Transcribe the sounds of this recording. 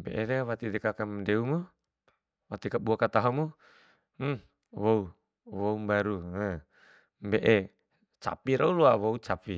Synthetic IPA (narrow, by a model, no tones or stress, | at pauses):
mbḛʔeɾewat̪idɛkakamdɛumu | wat̪ikaɓuakat̪aɦɔmu | wou | woumbaɾua | mbeʔe | t͡ʃa̰piɾʔauluawout͡ʃapi